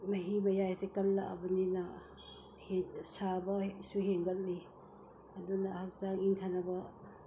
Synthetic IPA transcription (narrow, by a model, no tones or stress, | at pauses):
mɐɦimɐjajsekɐlːaʔa̰bɐnina | hesabɐsuheŋɡɐl̚ni | adunahak̚t͡ʃaŋintʰanabɐ